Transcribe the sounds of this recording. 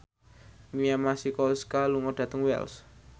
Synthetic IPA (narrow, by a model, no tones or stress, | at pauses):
miamasikɔlskaluŋɔɖ̥ä̤t̪əŋwɛ̰ls